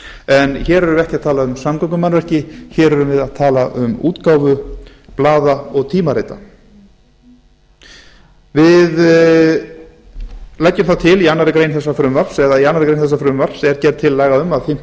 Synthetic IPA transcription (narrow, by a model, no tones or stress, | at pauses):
ɛnçɛːɾɛɾʏmɪvɛhcɪaðt̪ʰaːlaʏmsamkɔŋkʏmanvɛr̥cɪçɛːɾœɾʏmvɪðaðt̪ʰaːlaʔʏmṵːt̪kaːwvʏ | plaːðaɔɣt̪ʰiːmaɾeːjt̪a̰ | vɪð | lajcːʏmθawt̪ʰɪlianːaɾɪkɾeːjnθɛsːafɾʏmvar̥sɛðaianːaɾɪkɾejnθɛsafɾʏmvar̥sɛɾcɛɾt̪ʰːɪlːaːjɣaʏmaðθɪ̥